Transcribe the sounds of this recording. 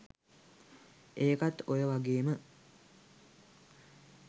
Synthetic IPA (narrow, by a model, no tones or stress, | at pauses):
eːkat̪ojəʋaɡeːmə